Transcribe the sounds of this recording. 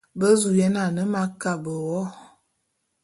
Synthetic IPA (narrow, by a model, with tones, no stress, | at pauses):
bə˦zu˨jɛ˦na˨nə˦ma˦ka˦˨bə˨wɔ˦